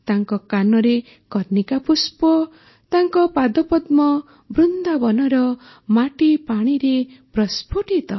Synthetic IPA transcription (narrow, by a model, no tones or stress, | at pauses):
t̪aŋkɔkanɔɾe | kɔɾnikapuspɔ | t̪aŋkɔpad̪ɔpɔd̪mɔ | bɾund̪abɔnɔɾɔ | maʈipaɽ̃iɾepɾɔspʰuʈit̪ɔ